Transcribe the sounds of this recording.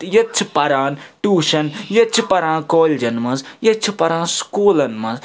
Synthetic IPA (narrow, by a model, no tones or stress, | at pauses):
jɐt͡ʃʰipɐɾãːnʈuːʃɐnjɐt͡ʃʰipɐɾãːnkɔːld͡ʒɐnmɐzjɐt͡ʃʰupɐɾaːnskuːlɐnmɐz